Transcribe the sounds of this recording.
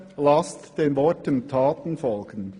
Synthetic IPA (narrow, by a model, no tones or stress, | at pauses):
lɑstd̥eːnvɔɾtəntʰaːtən̩fɔlɡ̥ən̩